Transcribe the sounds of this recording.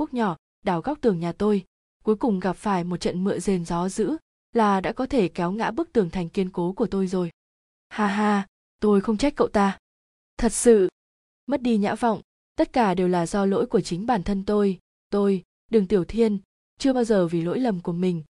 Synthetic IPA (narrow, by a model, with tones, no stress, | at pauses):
u˦˥ək̚ɲɔ˧˩ | ɗaː˧˩wɣa˦˥wk͡p̚t̪ɨ˨˩əŋɲaː˨˩t̪o˧j | ku˨˦jkʊ˨˩ŋ͡mɣa˨˩p̚faː˧˩jmo˨˩t͡ɕə̰˧˨nmɨ̰˧˨əze˨˩nzɔ˨˦zɨ̰˧˥ | laː˨˩ɗa̰ː˧˥kɔ˨˦t̪ʰe˧˩kɛ˨˦wŋa̰ː˧˥ɓɨ˦˥ək̚t̪ɨ˨˩əŋt̪ʰɛ˨˩ŋ̟ki˧ənko˨˦ku˧˩ət̪o˧jzo˨˩j | haː˧ɦaː˧ | t̪o˧jxə˧wŋ͡mt͡ɕa˦˥jk̟kːə̰˧˨wt̪aː˧ | t̪ʰə˨˩t̚sɨ̰˧˨ | mə˦˥t̚ɗi˧ɲa̰ː˧˥va̰˧˨wŋ͡m | t̪ə˦˥t̚kaː˧˩ɗe˨˩wlaː˨˩zɔ˧lo̰˧˥jku˧˩ət͡ɕï˨˦ŋ̟ɓaː˧˩nt̪ʰə˧nt̪o˧j | t̪o˧j | ɗɨ˨˩ŋt̪i˧˩əwt̪ʰi˧ən | t͡ɕɨ˧əɓaː˧wzəː˨˩vi˨˩lo̰˧˥jlə˨˩mku˧˩əmï˨˩ŋ̟